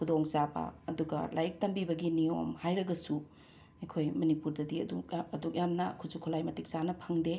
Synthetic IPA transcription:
kʰudoŋzabɐ̰ɐduɡɐ̰lajik̚tɐmbibɐɡinio̰mhajɾɐɡɐsu | ekʰojmɐnipuɾdɐdiɐ̰duɐduk̚jamnɐkʰuzukʰulajmɐtik̚sanɐpʰɐŋde

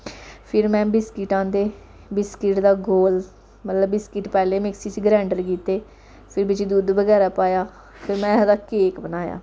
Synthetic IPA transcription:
pʰɪɾmɛ̃ːbɪskɪʈãːnd̪eː | bɪskɪʈd̪aːɡoːl | mət̪ləbbɪskɪʈpɛːleːmɪksiːt͡ʃɡɾɛ̃ːɳɖəɾkiːt̪eː | pʰɪɾbɪt͡ʃid̪uːd̪ʋəɡɛːɾaːpaːjaː | pʰɪɾmɛ̃ːd̪aːkeːkbənaːja̰ː

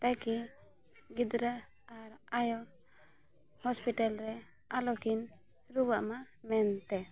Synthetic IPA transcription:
t̪ajki | ɡid̪ɾa | aɾajɔ | hɔspiʈalɾɛ | alɔkin | ɾubaʔma | mɛnt̪ɛ

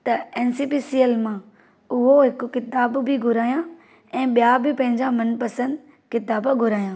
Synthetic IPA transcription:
t̪ɐɛːnsiːpiːsiːəlmã | ʊɦoɦɪkkɪt̪aːbbɪɡʱʊɾaːjã | ɛ̃ːɓijabɪpɐ̃ɦɪ̃ɲd͡ʑamɐnpɐsə̃nd̪ | kɪt̪aːbɡʱʊɾaːjãː

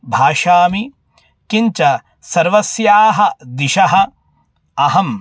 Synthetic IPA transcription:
bʱaːʃaːmi | kiɲt͡ʃɐ | sɐɾʋɐsjaːɦɐd̪iʃɐɦɐ̆ | ɐɦɐm

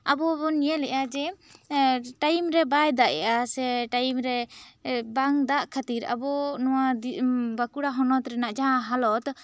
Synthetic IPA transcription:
abɔbɔniɛlɛʔad͡ʒɛ | ʈajmɾɛbajd̪aʔɛ̰ʔasɛʈajmɾɛ | baŋd̪aʔkʰat̪iɾa̰bɔnɔwad̪bakuɽaɦɔnɔt̪ɾɛnaʔd͡ʒaãɦalɔt̪

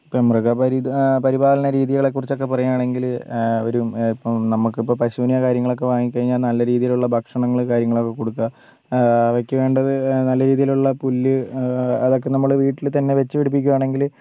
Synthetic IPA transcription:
ipːomrɐɣɐpɐɾipɐɾibʱaːlɐnɐɾiːðijɣɐɭe̞kːurit͡ɕːokːe̞pɐrɐjaːɳe̞ŋɡilo̞̰ɾupːnɐmːukːɨipːoːpɐɕuːnijɐkaːɾjɐŋːɐɭo̞k̬ːe̞ʋaːŋikːɐɻiɲːaːlnɐlːɐɾiːðijiluɭːɐbʱɐkʂɐɳɐŋːɐɭkaːɾjɐŋːɐɭo̞kːe̞ko̞ɽukːaː | ʋɐkːɨʋe̞ːɳɖɐðɨnɐlːɐɾiːðijiluɭːɐpulːɨɐðo̞kːe̞nɐmːɐɭʋiːʈːilt̪ɐnːe̞ʋe̞t͡ɕːɨʋiɽup̬ːikʲːuaːɳe̞ŋɡil

